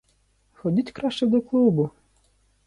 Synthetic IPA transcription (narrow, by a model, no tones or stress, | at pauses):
xɔdʲitʲkɾɑʃt͡ʃɛd̪ɔklˠubʊ